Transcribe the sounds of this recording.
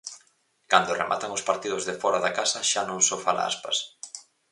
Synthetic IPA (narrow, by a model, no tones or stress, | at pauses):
kand̪orḛmʔa̰t̪aŋʊspaɾt̪iðʊzðɪfɔɾaðakasɐʃanõŋsofala̰a̰spa̰s